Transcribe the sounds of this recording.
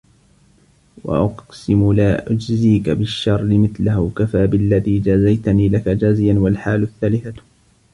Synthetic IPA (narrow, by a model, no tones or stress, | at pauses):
wa̰ʔɑqsɪmʊlaːʔʊd͡ʒziːkabɪʃːɑrˤːɪmɪθlahʊkafaːbɪlːaðiːd͡ʒazajt̪aniːlakad͡ʒaːzɪjanwalħaːlʊθːaːlɪθa